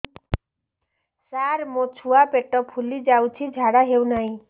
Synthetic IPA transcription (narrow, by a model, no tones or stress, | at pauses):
saɾmot͡ʃʰuapeʈɔpʰulid͡ʒawt͡ʃʰid͡ʒʱaɽaɦewnaɦĩ